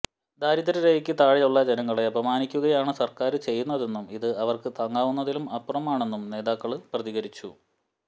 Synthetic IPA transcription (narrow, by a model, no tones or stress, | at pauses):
d̪aːɾiðɐɾɐɾejikʲːɨt̪aːɻiluɭːɐd͡ʑenɐŋːɐɭe̞ɐbʱɐmaːnikʲːuɣɐjaːɳɨsɐrkaːɾɨt͡ɕe̞jːunːɐðe̞nːumiðɨɐʋɐrkɨt̪ɐŋːaːʋunːɐðilumɐprɐmaːɳe̞nːumne̞ːðaːkːɐɭprɐðiɣɐɾit͡ɕːu